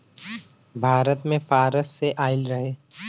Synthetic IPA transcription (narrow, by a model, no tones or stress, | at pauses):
bʱaːɾət̪mẽfaːɾəsːeʔaːɪlɾɐɦeː